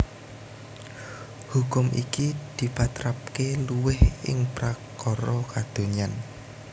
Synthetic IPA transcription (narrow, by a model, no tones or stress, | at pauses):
hukʊmʔḭkid̪̥i̤pat̪ɾap̚keluwɪhɪ̰ŋpɾakɔɾɔkad̪̥o̤ɲan